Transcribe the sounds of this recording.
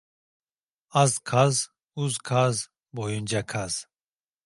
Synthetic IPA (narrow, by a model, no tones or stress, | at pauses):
azkʰaz | uzkʰaz | bɔjund͡ʒakʰaz̥